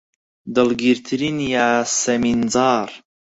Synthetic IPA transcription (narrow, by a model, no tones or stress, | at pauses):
d̪ɨlɡiɾt̪ʰɨɾinjaːsɛminzɑːɾ